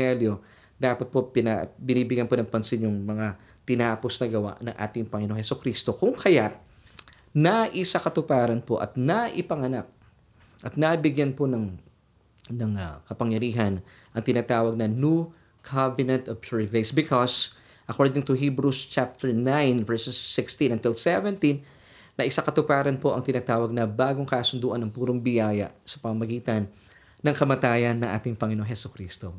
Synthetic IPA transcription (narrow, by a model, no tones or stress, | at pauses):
hɛljo̞ | d̪aːpɐt̪̚po̞pɪnabɪniːbɪɡɐnpo̞nɐŋpɐnsɪnjʊŋmɐŋa | t̪ɪnaːposnɐɡɐwa̰ʔnɐŋʔa̰ːt̪ɪŋpɐŋɪnoŋhɛsʊkɾist̪okʊŋkʰɐjaʔ | nɐʔɪsakɐt̪ʊpaːɾɐnpo̞ʔɐ̰t̪nɐʔɪpɐŋɐnak̚ | ʔɐt̪̚nɐbɪɡjanpo̞nɐŋ | nɐŋɐkɐpɐŋjɐɾiːɦɐn | ʔɐŋt̪ɪnaːt̪aːwɐɡ̚nɐnu | kʰavɛnɛnt̪ɐvʃuɹɡɹejsbɪkʰɔs | ʔɐkoɹd̪ɪŋt̪ʊɦibɾust͡ʃap̚t̪ɛɹnãjnvɛɹssːɪkst̪ĩnɐnt̪ɪlsɛvɛ̃nt̪ĩnː | ɐʔɪsakɐt̪ʊpaːɾɐnpo̞ʔɐŋt̪ɪnaːt̪aːwɐɡ̚nɐbaːɡoŋkaːsʊnd̪uːʔɐnɐŋpuːɾoŋbɪjaːjɐ̰sɐ̥pɐmɐmɐɡiːt̪ɐnː | ɐŋkɐmɐt̪aːjɐnːɐŋʔa̰ːt̪ɪŋpɐŋɪnoŋhɛsʊkɾist̪o